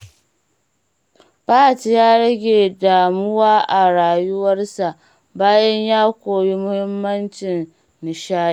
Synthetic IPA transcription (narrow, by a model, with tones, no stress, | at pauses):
paː˦ti˨jaː˦ɽɐ˦ɡʲeː˨daː˨mʊ˦waː˦ʔa˨ɽaː˨jʊ˦wɐ˦rsa˨ʔ | baː˦jɐ˦ɲjaː˦kʷoː˨ji˦mʊ˦hɪ˦mːɐ˦nt͡ʃɪ˨n | nɪ˨ʃaː˦